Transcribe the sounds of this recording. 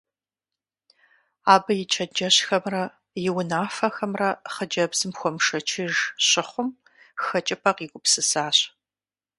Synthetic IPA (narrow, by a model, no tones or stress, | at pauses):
aːbɐjɪt͡ʃʰɐd͡ʒɐɕxɐmrɐ | jɪwʊnaːfɐxɐmrɐχəd͡ʒɐbz̥ɨmxʷɔmʂɐt͡ʃʰɪʒɕɪχʷʊm | xɐt͡ʃʼɪpʰɐqiːɡʷʼʊpsɨsaːɕ